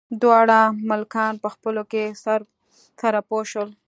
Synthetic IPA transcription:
d̪wɑɽamʊlkɑnpəxpəlokesaɾ | saɾapoʃəl

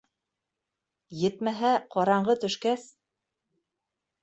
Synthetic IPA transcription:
jɘ̆t̪mæɦæqɑɾɑɴɢɤt̪ɵ̆ʃkæs

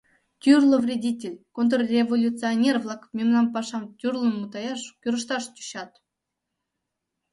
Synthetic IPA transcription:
tʲyrlˠə̆vrʲedʲitʲelʲkont̪̬rorʲevolʲut͡sɨonʲervlˠɑkmʲemnɑmp̬ɑʃɑmt̪ʲyrlˠənmut̪ɑjɑʃkʲyɾə̆ʃt̪ɑʃt̪ʲy̥ɕɑt̪

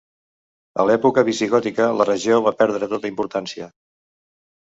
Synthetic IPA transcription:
ə̰lɛpukəβisiɣɔt̪ikələrəʒioβ̞apɛɾðɾət̪ot̪əimpuɾt̪ansiə

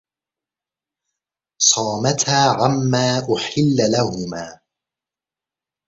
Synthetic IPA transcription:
sˤɑːmat̪haːʕamːaːʔʊħɪlːlahʊmaː

